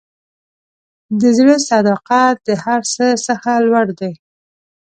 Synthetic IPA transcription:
d̪əzɽəsɑd̪aqɑt̪̚d̪əhaɾsəsəxalwaɽd̪aj

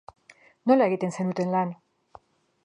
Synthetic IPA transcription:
no̞lae̞ɣit̪e̞nse̞nut̪e̞nlan

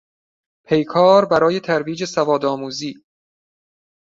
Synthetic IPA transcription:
pʰe̞jkʰɒːɾbæɾɒːje̞t̪ʰæɾviːd͡ʒe̞sævɒːd̪ɒːmuːziː

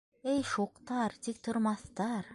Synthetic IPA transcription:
ejʃuqt̪ɑɾt̪ik̚t̪ʰuɾmɑθt̪ɑɾ

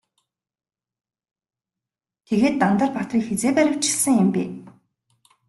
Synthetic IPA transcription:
t̪ʰeɣeːt̪ːant̪ə̆rpat̪rʲiːkxet͡seːpæɾʲɪ̆w̥t͡ɕɪ̥̆ɮsə̆ŋjɪ̆mpḛː

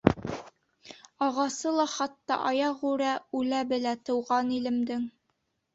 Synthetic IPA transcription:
ɑʁɑsɤlˠɑχɑt̪ːɑ̰ʔɑjɑʁʉɾæʉlæbɘ̆læt̪ɤ̆wʁɑnilɘ̆md̪ɘŋ

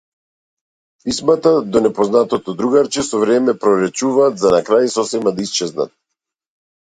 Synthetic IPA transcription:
pismat̪ad̪ɔnɛpɔznat̪ɔt̪ɔd̪ɾuɡaɾt͡ʃɛsɔvɾɛmɛpɾɔɾɛt͡ʃuvaːt̪zanakɾajsɔsɛmad̪aist͡ʃɛzna̰t̪̚

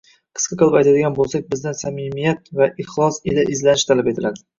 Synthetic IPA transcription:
qʰɨ̥sqʰɑqʰɨlˠɨpajt̪ʰad̪ɪɡʲanbolˠsak̚ʲbɪzd̪ansamɪmijat̪vaʔɪχlˠɒselaʔɪzlanɪʃt̪ʰalape̞t̪ʰɪlad̪ɪ

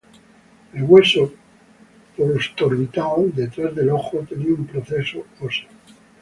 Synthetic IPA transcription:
elɣwe̞so | poɾost̪oɾβit̪awd̪e̞t̪ɾazðe̞lo̞xot̪eniaumpɾoθe̞soosa

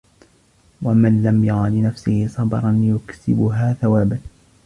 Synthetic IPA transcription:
wamɪnlamjɑɣɑlɪnafsɪhɪsˤɑbɑɾˤɑnjʊksɪbʊɦaːθawaːban

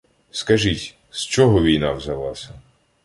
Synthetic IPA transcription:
skɐʒitʲ | st͡ʃɔɦɔʋʲijnaʋzɐlˠa̰sʲɐ

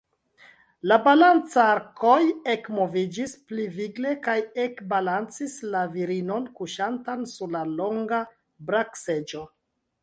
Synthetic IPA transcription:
labalant͡saɾko̞jekmo̞vid͡ʒispliviɡle̞kajekbalant͡sislaviɾino̞nkuʃantansuɾlalo̞ŋɡa | bɾakse̞d͡ʒo̞

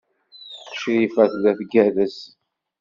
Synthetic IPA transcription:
ʃɾifæθlæθɡæðəs

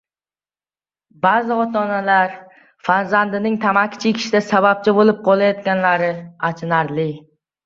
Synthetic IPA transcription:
bazɪɒt̪ʰɒnalaɾ | faɾzand̪ɪnɪŋt̪ʰamakʲʰɪ̥t͡ʃʰɪkʲʰɪ̥ʃɪd̪asabap̚t͡ʃʰɪbolˠɪp̚qʰɒlˠajɒt̪kʲanlaɾɪat͡ʃʰɪnaɾlɪ

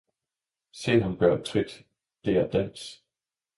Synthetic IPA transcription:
se̝̰nhænb̥ɶɐ̰t͡sʰʁid̥ | d̥e̝æɐd̥æn̰s

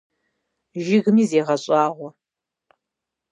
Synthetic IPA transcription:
ʒɪɣɨmiːzeːʁɐɕʼɑːʁʷɔ

